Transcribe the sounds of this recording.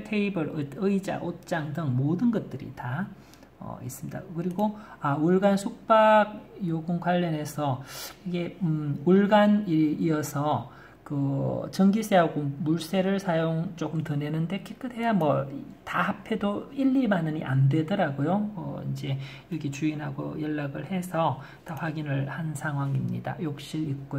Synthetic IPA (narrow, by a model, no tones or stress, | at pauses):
tʰe̞ibɯɾɯɯid͡ʑa̰ʔot͡ɕ͈aŋdɯŋmodɯnɡʌt̚t͈ɯɾḭta | ʌ̰is͈ɯmɲida̰kɯɾiɡoauɭɡansʰuk̚p͈aɡ̚joɡunkwaʎːʌne̞sʰʌiɡe̞uɭɡaniɾiʌsʰʌ | kɯt͡ɕʌŋɡis͈ʰeɦaɡomuɭs͈e̞ɾɯɭsʰajoŋt͡ɕ͈ok͈ɯmtɯne̞nɯnde̞kʰek͈ʰɯdʰe̞jamwʌitaɦapʰe̞doiʎːimanɯɲiʔa̰ndwe̞dʌɾaɡojoʌ̰ind͡ʑe̞ | iʌkʰet͡ɕuinɦaɡo̰jʌɭːaɡɯɭhe̞sʰʌ | taɸwaɡinɯɭhansʰaŋɦwaŋimɲḭda̰jok̚ɕ͈iik̚k͈ojo